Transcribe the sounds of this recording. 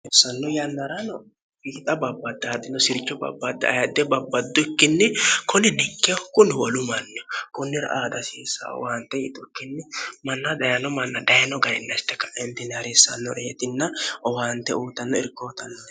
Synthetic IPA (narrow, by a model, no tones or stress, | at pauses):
ɔsːɐnːɔjɐnːɐɾɐnɔ | biːt̪ʼɐbɐbːɐd̪ːɐːd̪ɪnːɔsɪɾt͡ʃːɔbɐ̰bːɐd̪ːɐ̰ːjɐd̪ɛbɐbːɐd̪ːʊɪkːɪnːɪkʰʊnɪnɛkːɛɔkʊnɪwɔlʊmɐnːɪɔkʊnːɪɾɐ̰ʔaːd̪ɐsiːsa̰ɔ̰waːnt̪ːɛjɪt̪ʼɔkːɪnːɪmɐnːɐd̪ɐjɐnɔmɐnːɐd̪ɐjnɔɡɐjɪnːɐst̪ːɛkːɐ̥ʔɛnt̪ɪnɐɾɪsːɐ̰nːɔɾɛɛt̪ɪnːɐɔwaːnt̪ɛuːt̪ːɐnːɔɪɾkːoːt̪ɐnːɔ